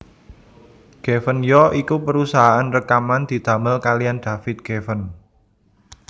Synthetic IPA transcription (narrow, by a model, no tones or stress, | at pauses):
ɡ̥efənjɔʔikupəɾusaɦaanrəkamand̪̥i̤d̪̥a̤məlkalijand̪̥a̤fɪt̪̚ɡ̥efən